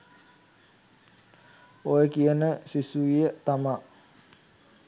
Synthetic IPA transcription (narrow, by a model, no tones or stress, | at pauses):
ojəkiənəsisuijət̪ama